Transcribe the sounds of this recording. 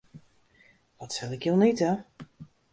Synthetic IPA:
ʋɔtsɛlɪkjonitə

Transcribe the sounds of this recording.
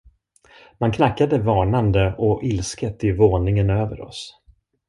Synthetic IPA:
mankʰnakːad̪əvɑːnand̪əʔɔʔɪlskət̪ɪvoːnɪŋənøːvə̰ɾɔ̰s

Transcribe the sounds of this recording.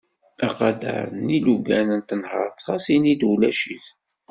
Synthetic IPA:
æqɑd̪ə̰ɾˤəniluɡænənt̪ənhəɾˤθχɑsinid̪ulæʃiθ

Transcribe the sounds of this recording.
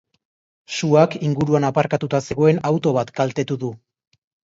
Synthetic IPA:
suakiŋɡuɾuanapaɾkat̪ut̪ase̞ɣ̞o̞e̞nawt̪o̞β̞at̪ɡalt̪e̞t̪uðu

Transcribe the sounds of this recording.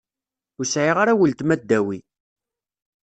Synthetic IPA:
ʊsʕiʁaɾæwəlt̪mæd̪ːæwi

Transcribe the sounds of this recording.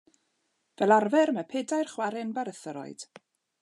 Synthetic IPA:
vɛlˠarvɛɾməpʰɛːdajrχwaɾɪnbaɾəθəɾɔ̰ɨd̥

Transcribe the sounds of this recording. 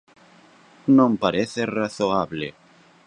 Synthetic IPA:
nõmpaɾeθeraθoaβlḛ

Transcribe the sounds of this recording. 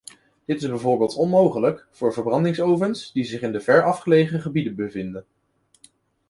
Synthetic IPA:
d̥ɪtɪzbɛjvʊːɹbɪːlˠtɔnmowχələkfʊːɹvəɹbrɑndɪŋsowvənsdizɪχɪndəvɛɹɑfχəlejχəχəbidənbəvɪndən

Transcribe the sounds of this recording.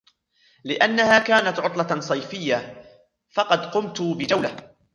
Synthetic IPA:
lɪʔanːahaːkaːnat̪ʕʊt̪ˤlɑsˤɑjfɪjːa | fɑqɑd̪qʊmt̪ʊbɪd͡ʒawla

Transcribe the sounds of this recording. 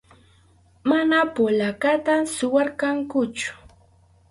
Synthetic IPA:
manapolakat̪asʊwaɾkaŋkʊt͡ʃʊ̥

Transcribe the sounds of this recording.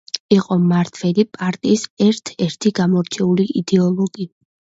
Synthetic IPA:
iqʼɔmaɾt̪ʰvɛlipʼaɾt̪ʼiːsɛɾt̪ʰɛɾt̪ʰiɡamɔɾt͡ʃʰɛuliʔid̪ɛɔlˠɔɡi

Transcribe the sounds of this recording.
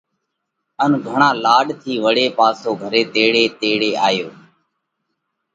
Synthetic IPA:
ənɡʱəɳãːlaːɖt̪ʰiːʋəɽeːpaːsoːɡʱəɾeːt̪eːɽeːt̪eːɽeːaːjoː

